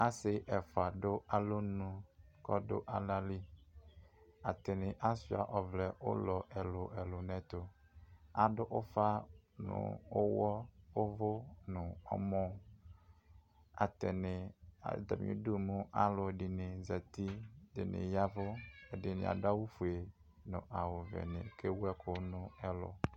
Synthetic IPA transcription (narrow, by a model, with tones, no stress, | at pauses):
a˦sɪ˦ʔɛ˨fʊ˨a˨dʊ˦ʔa˨lo˦nũ˦kɔ˦dʊ̰˦ʔa˨la˦li˦ | a˨t̪ɪ˨nɪ̃˨ʔa˦si˦a̰˨ʔɔ˨vlɛ˨ʊ̰˦lɔ˨ʔɛ˨lʊ˨ʔɛ˨lʊ˨nɛ̃˨t̪ʊ˨ | a˨dʊ˦ʔʊ˦fa˦nʊ̰̃˨ʊ˦wɔ˦ʊ˦vʊ˦nʊ̃˨ɔ̰˦mɔ̃˦ | a̰˨tɛ˨nɪ˨a̰˨da̰˨mḭ̃˨u˦du˦˨mũ˦ʔa˦lʊ˨dɪ˨nɪ˨za˨t̪i˦dɪ̰˨nɪ̰̃˨ja˦vʊ˦ɛ˨dɪ˨nɪ̰˨a̰˨da˦wʊ˦fu˨e˨ | nʊ̰̃˨ʔa˨wʊ˨vɛ̰˨nɪ̰̃˨ke˦wɛ˦kʰʊ˨˦nʊ̃˦ɛ˨lʊ̰˨